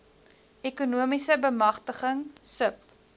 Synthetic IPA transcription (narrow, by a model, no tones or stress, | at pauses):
ʔekunuəmisəbəmɐχtəχəŋsəp̚